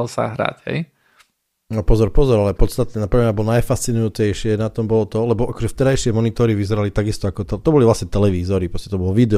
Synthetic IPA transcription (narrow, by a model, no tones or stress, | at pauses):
lsa̰ɦɾa̰chɛ̰j | nɔpɔzɔɾpɔzɔɾalɛpɔt̪st̪at̪ɛapɾɛmɲabɔlnajfast͡sinujut͡sɛjʃɪɛnat̪ɔmbɔlɔt̪ɔlɛbɔʔakɔʒɛft̪ɛɾajʃɪɛmɔnit̪ɔɾiʋizɛɾalit̪aɡist̪ɔakɔt̪ɛt̪ɔbɔlivʋlasɲɛt̪ɛlɛʋiːzɔɾipɾɔscɛt̪ɔbɔlɔʋid̪ɛ